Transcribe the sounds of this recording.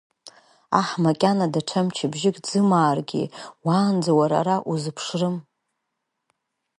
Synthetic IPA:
aħmakʲʼanadaʈ͡ʂʰamt͡ʃʰabʒɪkʼd͡zɨmaːrɡʲḭwaːnd͡zawaɾa̰ɾaʔuzɨpʰʂrɨm

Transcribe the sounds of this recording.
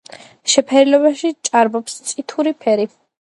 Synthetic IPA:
ʃɛpʰɛɾilɔβaʃit͡ʃʼaɾbɔpst̪sʼit̪ʰuɾipʰɛɾi

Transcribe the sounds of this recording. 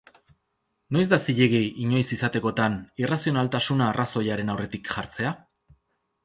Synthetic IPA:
no̞jzd̪asiʎeɣeʔiɲo̞jsisat̪e̞ko̞t̪anirasio̞nalt̪asunaːrʔaso̞jaɾe̞nawre̞t̪ikʝaɾt͡se̞a

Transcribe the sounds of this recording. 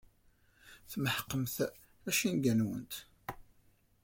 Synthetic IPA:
θməħə̥qːəmθ | æʃinɡænwə̰nt̪

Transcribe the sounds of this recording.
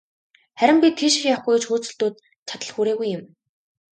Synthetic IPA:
χæɾʲɪ̆mpʲit̪ʰxiːʃĭxʲjawχɡujt͡ɕxuːt͡sɘ̆ɮt̪uːt̪̚ | t͡ɕʰat̪ə̆ɮxuːɾeːɣujːɪ̆m

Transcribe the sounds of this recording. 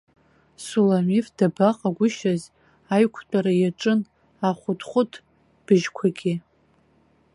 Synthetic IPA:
sulamifdabaqʼaɡʷʊʃaz | ajkʷʰt͡pʼaɾajaʈ͡ʂʼɨn | aχʷʊtχʷʊtʰ | b̥ɨʒkʷʰaɡʲɪ

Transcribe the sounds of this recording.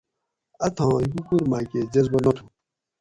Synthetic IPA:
ɐt̪ʰãːikukuɾmaːked͡ʑɐzbɐnɐt̪ʰũ

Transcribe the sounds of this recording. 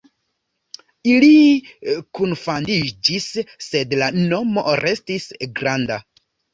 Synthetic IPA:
ili | kunfandid͡ʒisːe̞dlano̞mo̞̰ɾʔe̞stisɡɾanda

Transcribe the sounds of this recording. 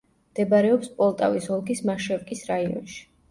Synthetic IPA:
md̪̥ɛbaɾɛɔpspʼɔlˠt̪ʼa̰visɔlˠɡismaʃɛvkʼisɾaiɔ̰nʃi̥

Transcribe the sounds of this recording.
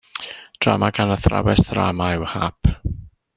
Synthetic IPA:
d̥ramaɡanəθra̰wɛsθra̰maɪwhapʰ

